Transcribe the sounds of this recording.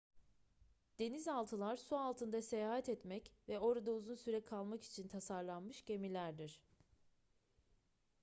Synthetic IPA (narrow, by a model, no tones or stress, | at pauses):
d̪̥e̞nizalˠt̪ʰɯlˠaɾsualˠt̪ʰɯnd̪ase̞jaːhat̪ɛt̪mɛcvɛo̞ɾad̪auzunsyɾɛkʰalˠmaki̥t͡ʃʰint̪ʰasaɾlˠanmɯʃɟe̞milʲæɾd̪iɾ̥